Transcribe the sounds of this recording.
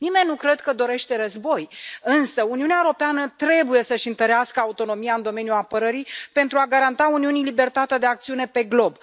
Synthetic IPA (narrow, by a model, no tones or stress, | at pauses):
nime̞nːukɾe̞d̪kəd̪o̞ɾe̞ʃt̪e̞ɾəzbo̞jɨnsəuniuneaeɾopeanət̪ɾe̞buje̞səʃʲint̪əɾeaskəaut̪o̞no̞mijaɨnd̪o̞me̞nʲjuapəɾəɾipe̞nt̪ɾuaɡaɾant̪auniunilibe̞rt̪at̪ed̪e̞ak̚t̪siune̞pe̞ɡlo̞b